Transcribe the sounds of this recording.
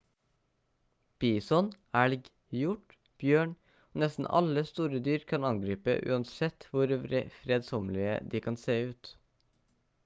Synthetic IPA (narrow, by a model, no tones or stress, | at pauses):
b̥iːsɔn | æːɭɡ | jʊʈ | b̥jøːɳ | oːnɛst̪n̩ɑ̰ləst̪uːɾəd̪yːɾkʰɑnɑŋɡɾiːpə̰ʔʉ̰ːɑnt̪sɛt̪ʋʊɾɾfɾeːd̪sɔmlɪə̰d̪iːkʰɑnseːʉːt̪